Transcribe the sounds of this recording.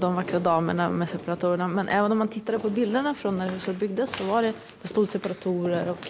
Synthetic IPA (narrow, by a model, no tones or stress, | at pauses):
d̪ɔmvakːɾad̪ɑːmə̰ɳa̰mɛsɛpaɾat̪ʰuːɾəɳamɛnʔɛːvənɔmant̪ʰɪt̪ːad̪əpʰɔbɪld̪əɳafɾonːæɾɛsɔbʏɡd̪əsːɔvaɖɛ | d̪̥ɛst̪uːd̪sɛpaɾat̪ʰuːɾəɾɔk